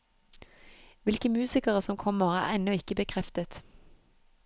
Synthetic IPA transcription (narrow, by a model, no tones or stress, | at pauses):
ʋɪlkəmʉːsɪkəʁəsɔmkʰɔməʁæ̰ːʁɛnɔɪkəbəkʰʁɛft̪ət̪